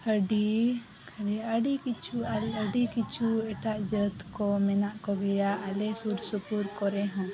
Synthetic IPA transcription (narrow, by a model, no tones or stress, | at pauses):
həɖi | əɖɛəɖikit͡ʃʰualəɖikit͡ʃʰuɛʈaʔd͡ʒət̪kɔmɛnaʔkɔɡɛjaʔalɛsuɾsupuɾkɔɾɛɦɔ̃